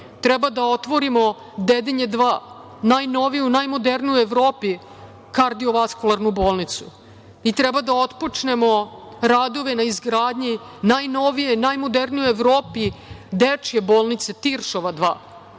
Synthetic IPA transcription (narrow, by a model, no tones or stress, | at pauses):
t̪ɾɛbad̪ao̞t̪ʋo̞ɾimo̞ | d̪ed̪eɲed̪ʋaː | najno̞ʋijunajmo̞d̪eɾnijueʋɾo̞ːpi | kaɾd̪io̞ʋaskulˠaɾnuboːlnit̪su̥ | it̪ɾɛbad̪ao̞t̪po̞t͡ʂne̞mo̞ɾad̪o̞ʋenaizɡɾaːd̪ɲinajnoʋijenajmod̪eɾnijueʋɾoːpid̪et͡ʂjeboːlˠnit̪set̪iɾʃoʋad̪ʋaː